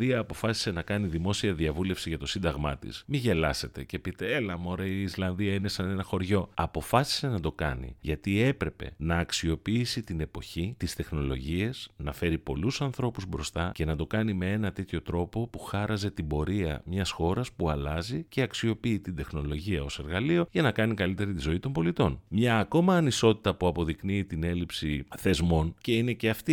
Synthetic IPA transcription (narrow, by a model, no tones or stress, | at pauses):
iɐːpo̞fɐsi̥se̞nɐkɐniðimo̞siɐðiɐvule̞fsiʝɐt̪o̞sind̪ɐɣmɐt̪ḭsmiʝe̞lɐse̞t̪e̞ce̞pit̪e̞elɐmo̞ɾɐiːslɐnðiɐine̞sɐne̞nɐxo̞ɾʝo̞ɐpo̞fɐsi̥se̞nɐd̪o̞kɐ̰nḭʝɐt̪ie̞pɾe̞pe̞̰nɐːksio̞piisit̪ine̞po̞çit̪ist̪e̞xno̞lo̞̰ʝie̞snɐfe̞ɾipo̞lusɐnθɾo̞puzbɾo̞st̪ɐce̞nɐd̪o̞kɐnime̞e̞nɐt̪e̞t̪ço̞t̪ɾo̞po̞puxɐɾɐze̞t̪ibo̞ɾiɐ̰mɲɐsxo̞ɾɐspuɐlɐzice̞ɐksio̞piːt̪ind̪e̞xno̞lo̞ʝiɐo̞se̞ɾɣɐlio̞ʝɐnɐkɐnikɐlit̪e̞ɾit̪izo̞it̪o̞mbo̞lit̪o̞nmɲɐːko̞mɐːniso̞t̪i̥t̪ɐpuɐpo̞ðikniːt̪ine̞lipsiθe̞zmo̞nce̞ine̞ce̞ɐft̪i